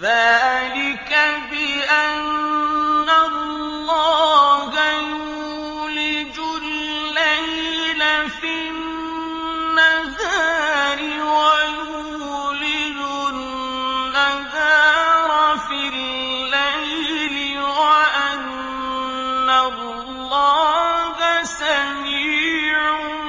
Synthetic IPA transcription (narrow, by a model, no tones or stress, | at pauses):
ðaːlɪkabɪʔanː | alː | ɑːhajuː | lɪd͡ʒʊlː | ajlafi | aɣaːɾɪwajuː | lɪd͡ʒʊlː | aɣaɾˤafilː | ajlɪwaʔan | al | lːɑːkasamiːʕʊ